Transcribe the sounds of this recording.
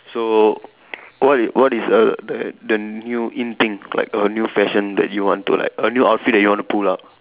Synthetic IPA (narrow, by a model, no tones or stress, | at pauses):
so | wɔtwɔtisədədənjuʔĩnt̪ĩŋla̰ɪkənjufɛʃə̃ndɛ̰t̚juwɔ̃ntṵla̰ɪkənjuaʊtfit̚dɛtjuwɔ̃ntupʰulaʊp̚